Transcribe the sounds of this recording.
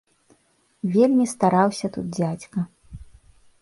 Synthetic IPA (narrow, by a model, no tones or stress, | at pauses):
vʲelʲmʲist̪aɾawsʲɐt̪ṵd̪̚d͡zʲat͡sʲkɐ